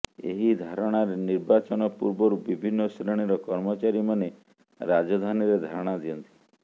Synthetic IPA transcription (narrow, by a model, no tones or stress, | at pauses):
ḛɦid̪ʱaɾɔɽ̃aɾeniɾbat͡ʃɔnɔpuɾbɔɾubibʱinːɔsɾeɽ̃iɾɔkɔɾmɔt͡ʃaɾimane | ɾad͡ʒɔd̪ʱaniɾed̪ʱaɾɔɽ̃ad̪iɔnt̪i̥